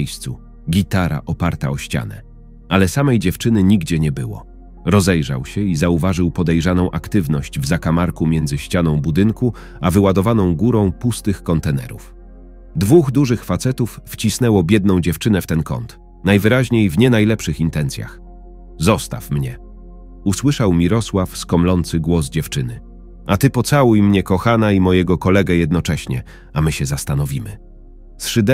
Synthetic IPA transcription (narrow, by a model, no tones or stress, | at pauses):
jst̪sṵ | ɡʲit̪aɾa̰ʔɔpaɾt̪a̰ɔɕt͡ɕa̰nɛ̰ | alɛsamɛjd͡ʑɛft͡ʂɘnɘɲiɡd͡ʑɛɲɛbɘwɔ̰ | ɾɔzɛjʐa̰wɕɛizauvaʐɘwpɔd̪ɛjʐanɔ̃w̃ʔakt̪ɘvnɔɕd͡ʑvzakamaɾkumʲjɛnzɘɕt͡ɕanɔ̃w̃bud̪ɘŋku | avɘwad̪ɔvanɔ̃w̃ɡuɾɔ̃w̃pust̪ɘxkɔnt̪ɛnɛ̰ɾuf | d̪vuɣd̪uʐɘxfat̪sɛt̪ufːt͡ɕisnɛwɔbʲjɛd̪nɔ̃w̃d͡ʑɛft͡ʂɘnɛft̪ɛnkɔ̰nt̪ | najvɘɾaʑɲejvɲɛnajlɛpʂɘxint̪ɛnt̪sʲja̰x | zɔst̪a̰fmɲɛ | uswɘʂawmʲiɾɔswafskɔmlɔnt̪sɘɡwɔzd͡ʑɛft͡ʂɘnɘ | at̪ɘpɔt̪sawujmɲɛkɔxanaimɔjɛɡɔkɔlɛɡɛjɛd̪nɔt͡ʂɛɕɲɛ̰ | amɘɕɛzast̪anɔvʲimɘ̰ | sʂɘd̪ɛ